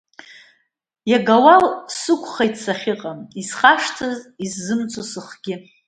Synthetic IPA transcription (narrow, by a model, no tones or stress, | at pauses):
jaɡawalsɨkʷʰʼχajtʰsaχʲɪqʼamisχaʂtʰɨzisːɨmt͡sʼosɨχɡ̥ʲɪ